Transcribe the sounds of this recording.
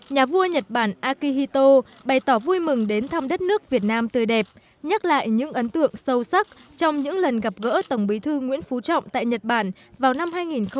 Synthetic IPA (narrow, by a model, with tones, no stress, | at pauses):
ɲaː˨˩vu˧əɲə˨˩t̚ɓaː˧˩nʔaː˧ki˧hi˧t̪o˧ | ɓa˨˩jt̪ɔː˧˩vu˧jmɨ˨˩ŋɗe˨˦nt̪ʰaː˧mɗə˦˥t̚nɨ˦˥ək̚vi˨˩ət̚naː˧mt̪ɨ˨˩jɗɛ˨˩p̚ | ɲə˦˥t̚la̰ː˧˨jɲɨ̰˧˥ŋʔə˨˦nt̪ɨ̰˧˨əŋsə˧wsa˦˥k̚t͡ɕɔ˧wŋ͡mɲɨ̰˧˥ŋlə˨˩nɣa˨˩p̚ɣə̰ː˧˥t̪ə˧˩wŋ͡mɓi˨˦t̪ʰɨ˧ŋwḭ˧˥ənfu˨˦t͡ɕɔ̰˧˨wŋ͡mt̪a̰ː˧˨jɲə˨˩t̚ɓaː˧˩n | vaː˨˩wna˧mhaː˧jŋi˨˩nxə˧